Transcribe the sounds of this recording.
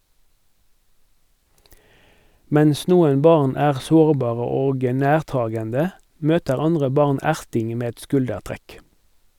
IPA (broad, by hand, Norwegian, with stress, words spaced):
ˈmɛns ˈnuːən ˈbɑʁn ˈæːʁ ˈsoːʁˌbɑːʁə ˈoːɡ ə ˈnæːʁˌtɑːɡəndə ˈmøːtəʁ ˈɑndʁə ˈbɑʁn ˈæʁtɪŋ ˈmeː ˈɛt ˈskʉldəʁˌtʁɛk